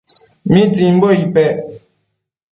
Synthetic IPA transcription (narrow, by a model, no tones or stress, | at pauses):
mĩd͡zim̩boipɛ